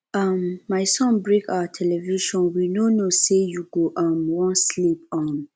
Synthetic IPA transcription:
ʌmːaɪsɔ̃nbɹeka̰wətʰɛlɛviʃɔ̃nwinonosejuɡoʔʌmwɔ̃nslip̚ʌ̃m

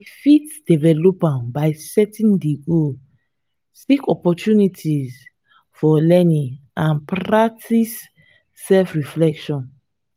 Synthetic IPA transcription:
difitd̥evɛlopãbaɪsɛtĩndeɡo | sikɔpɔtjunitʰiz | fɔlɛnĩãnpɾak̚tʰisː | ɛlfɹiflɛkʃɔ̃n

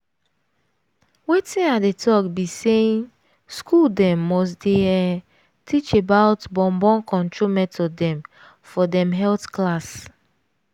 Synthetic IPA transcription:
wetĩnadetʰɔkbiseĩn | skuldɛ̃mːɔs̬deɛ | tʰit͡ʃebaʊtbɔ̃mbɔ̃nkɔ̃ntɹomɛtʰɔdɛ̃m | fɔdɛ̃mɦɛltklas

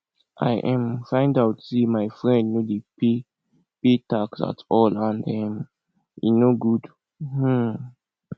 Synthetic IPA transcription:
ʔa̰ɪʔɛ̃mfãɪ̃ndaʊtsimaɪfɹɛ̃ndnudepi | pitaksa̰tʰɔlãndɛ̃m | ḭnoɡud | h̩

